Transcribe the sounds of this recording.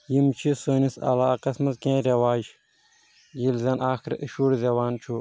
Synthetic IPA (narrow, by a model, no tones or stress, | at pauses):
jimt͡ʃʰisoːnisɐ̰laːqɐsmɐzkẽːɾʲewaːd͡ʒ | d͡ʒilzʲɐnʔaːxɾḭʃuːɾzɐwaːnt͡ʃʰu